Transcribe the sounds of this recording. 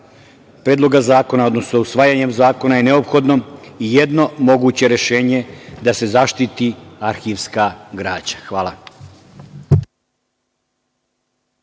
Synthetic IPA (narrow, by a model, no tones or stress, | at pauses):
pɾeːd̪lo̞ɡazaːko̞nao̞d̪no̞snousʋaːjaɲe̞mzaːko̞naje̞ne̞o̞pxo̞d̪no̞ijed̪no̞mo̞ɡuːt͡ɕe̞ɾe̞ʃe̞ːɲe̞d̪ase̞zaʃt̪it̪iaɾxiʋskaɡɾaːt͡ɕḁxʋaːlˠa